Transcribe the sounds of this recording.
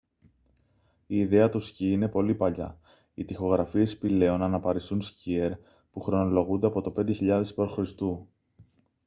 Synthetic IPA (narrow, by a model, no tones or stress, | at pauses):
iːðe̞ɐt̪usciine̞po̞lipɐʎɐ̰ | it̪ixo̞ɣɾɐfie̞spile̞o̞nɐnɐpɐɾisunscieɾ | puxɾo̞no̞lo̞ɣund̪e̞ɐpo̞t̪o̞pe̞nd̪eçiʎɐðe̞spoɾxɾist̪u